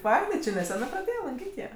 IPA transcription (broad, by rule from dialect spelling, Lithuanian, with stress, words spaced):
ˈfɐɪnɐɪ t͡ʃʲɪ nʲɛˈsʲæːnɜ prɐˈdʲeːjeː lˠɐŋʲˈkʲiːtʲ jiɛ